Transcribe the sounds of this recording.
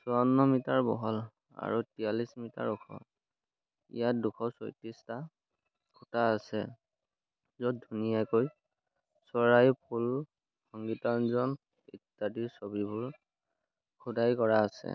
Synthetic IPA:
sɔɔnːɔmitaɹbɔɦɔl | a̰ɹutijalismita̰ɹukʰɔ̰ | ḭjatdukʰɔso̰jtista | kʰutaːsɛ̰ | zɔdʱunijakoj | sɔɹajpʰul | xɔŋɡitanzɔn | ḭtːadiɹsobibʊɹ | kʰudajkɔɹaːsɛ̰

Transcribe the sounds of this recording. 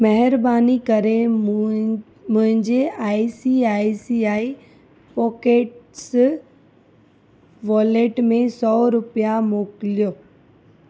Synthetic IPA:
mɐɦɪɾbaːnikɐɾe | mʊ̃ɦɪ̃ɲd͡ʑeaːisiaːisiaːi | pɔːkeːʈs | ʋɔːleːʈmẽsɔːɾʊpijamoːkɪlijoː

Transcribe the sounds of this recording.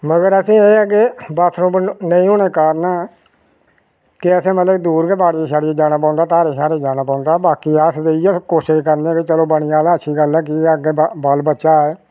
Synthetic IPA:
məɡəɾəsĩːeːɛkebət̪ʰːnũːnəĩːɦoːɽeːkaːɾnaː | kɪəsẽːmət̪ləd̪uːɾkebaːɽiːeːʃaːɾied͡ʒaːñaːp̬ãːnd̪aːt̪aːɾeːʃaːɾeːd͡ʒaːnaːpãːnd̪aːbaːkiːəsd̪eːiːəkoːʃɪʃkəɾneket͡ʃəloːbəɳ̃ijaːd̪aːətːʃʰiːɡəlɛːk̬ɪəɡeːbəlbətːʃaːɛː

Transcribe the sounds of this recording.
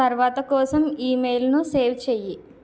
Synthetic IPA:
ɐɾʋaːt̪ɐkɔːsɐmiːmejlnuseːʋt͡ʃeːji

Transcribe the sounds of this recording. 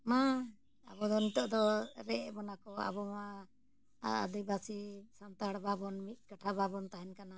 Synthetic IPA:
ma | abɔd̪ɔnit̪ɔʔd̪ɔɾɛʔbɔnakɔa̰bɔma | a̰d̪ibasisant̪aɽbabɔnmit̪̚ˀkaʈʰababɔnt̪aɦɛnkana

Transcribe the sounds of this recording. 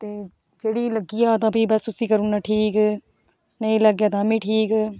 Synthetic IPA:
t̪eː | d͡ʒeːɽiːləɡiːaːt̪ãːpiːbəst̪ʊsiːkəɾuːnaːʈʰiːk | nəĩːləɡjaːt̪ãːmĩːʈʰiːk

